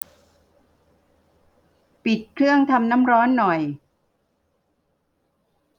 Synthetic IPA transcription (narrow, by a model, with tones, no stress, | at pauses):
pi˨˩t̪̚kʰɾɯ˥˩əŋt̪ʰa˧mna˦˥mɾɔː˦˥nːɔ˨˩j